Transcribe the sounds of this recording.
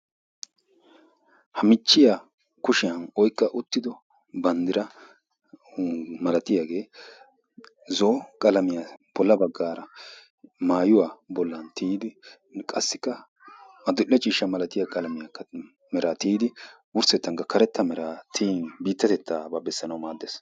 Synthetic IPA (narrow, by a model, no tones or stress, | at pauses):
hɐmɪt͡ʃːɪjaː | kʊʃɪjɐnɔjkʼːɐʔʊt̪ːɪd̪ɔ | bɐnd̪ɪɾɐ | mɐlɐt̪ɪjaːɡe̞ː | zoːkʼɐlɐmɪjab̥ɔlːɐbɐɡːaːɾɐ | maːjʊwaːbɔlːɐnt̪ʰiːd̪ɪ | kʼɐsːɪ̥kːɐ | mɐd̪ʊʔːɛt͡ʃʼiːʃɐmɐlɐt̪ɪjakʼɐlɐmɪjakːɐ | mɛɾat̪iːd̪ɪ | wʊɾsɛt̪ːɐŋkɐkʰɐɾɛt̪ːɐmɛɾaːt̪ʰiːnbiːt̪ːɐt̪ɛt̪ːaːbɐbɛsːɐnɐwmaːd̪ːes